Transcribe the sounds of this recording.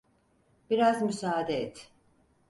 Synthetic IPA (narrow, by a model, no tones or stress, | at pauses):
b̥iɾazmysaːd̪ɛɛt̪ʰ